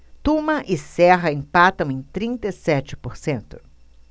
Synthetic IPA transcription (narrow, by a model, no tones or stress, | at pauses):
t̪umɐʔɪsɛɦɐẽpat̪ɐ̃w̃ẽj̃t̪ɾĩnt̪ɐisɛt͡ʃɪ̥poɾsẽnt̪ʊ̥